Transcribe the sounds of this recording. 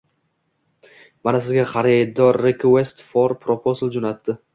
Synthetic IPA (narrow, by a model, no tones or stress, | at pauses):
manasɪzɡʲaχɑɾɪd̪ɒɾːekʰwest̪foɾpʰɾopʰozlˠd͡ʒonat̪ːɪ